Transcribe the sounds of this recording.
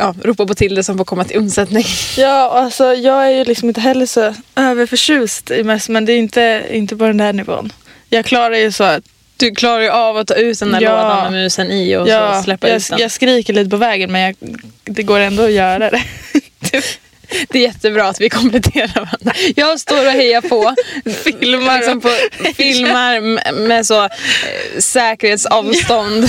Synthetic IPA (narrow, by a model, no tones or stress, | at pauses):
jɑːɾuːpapɔt̪ʰɪld̪ɛsɔmfoːkʰɔmːat̪ʰɪlɵnsɛt̪nɪŋjɑːɔalsɔjɑːɡæɾjɵlɪksɔmɪnt̪əɦɛlːəʂɔøːvəɾfœʂʉ̟ːst̪ɪmɛst̪mɛnd̪ɛːɪnt̪əɪ̰nt̪əpɔd̪ɛnd̪æːɳɪvo̰ːn | jɑːɡ̚kʰlɑːɾaɾjɵsɔat̪ | d̪̥ɵkʰlɑːɾaɾjɵʔavat̪ʰːɑːʉ̟ːt̪̚d̪ɛnæɑːanamɪnʉːsɛniɔ̰jɑːslɛpːaj̪jɑːɡskɾiːkəɭiːt̪əpʰɔvɛːɡənmɛnjɑːɡd̪ɛɡoːɾɛnd̪ɔːjœːɾad̪ɛ | t̪ʰː | d̪ɛjɛt̪ːəbɾɑːat̪vɪkʰɔmplɛt̪ʰeːɾaɾvaɾand̪ɾajɑːɡst̪oːɾɔɦɛjːapʰɔfɪlmaɾsɔmpʰɔfɪlmaɾmmɛsɔ | sɛːkəɾheːt̪sɑːvst̪ɔnd̪